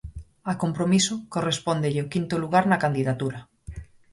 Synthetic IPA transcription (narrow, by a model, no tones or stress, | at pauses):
akompɾomisʊkorespond̪eʎeokint̪oluɣaɾnɐkand̪iðat̪uɾa